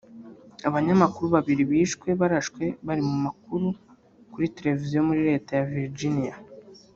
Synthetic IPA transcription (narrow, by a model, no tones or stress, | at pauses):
aβaɲamakuɾuβaβiɾiβiːʃkwe̞βaɾaʃkwe̞βaɾimumak̚uɾu | kuɾite̞ɾe̞vizijo̞muɾiɾe̞ːtajaviɾd͡ʒinija